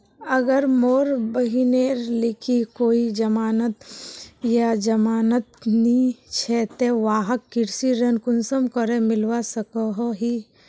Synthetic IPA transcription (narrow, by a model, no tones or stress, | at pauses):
əɡəɾmoːɾbəɦineːɾlɪkʰikoːid͡ʒɐmaːnət̪jad͡ʒɐmaːnət̪̚nit͡ʃʰɛːt̪eʋaːɦəkːɪɾsiɾɐnkʊnsəmkəɾemɪlwasəkoɦoɦi